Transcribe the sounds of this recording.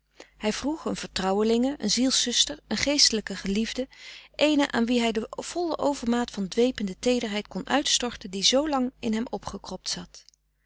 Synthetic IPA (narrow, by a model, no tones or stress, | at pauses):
hɛjv̥ruχənv̥əɹtrɑwəlɪŋəʔənzilˠsɵstəɹənχejstələkəχəlivdəʔejnəʔa̰ːnʋiɦɛjdəv̥ɔlˠəʔowvəɹmaːtfɑndʋejpəndətejdəɹɦɛjtkɔnʔœ̰ɥtstɔɹtəndizowlɑŋɪnɦɛmɔpχəkrɔp̚tsɑt